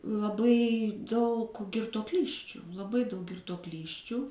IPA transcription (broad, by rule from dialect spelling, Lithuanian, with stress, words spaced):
lˠɐˈbɐɪ dɐʊk ɡʲɪrtuɔˈklʲiːsʲt͡ʃʲʊ lˠɐˈbɐɪ dɐʊk ɡʲɪrtuɔˈklʲiːsʲt͡ʃʲuː